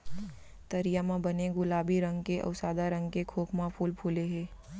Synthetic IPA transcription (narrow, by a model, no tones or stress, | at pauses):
t̪ɐɾijamãbɐneɡʊlaːbiɾɐ̃ŋɡkeʔɐ̰ʊsaːd̪aɾɐ̃ŋɡkekʰoːkʰmãpʰuːlpʰuːleɦɛː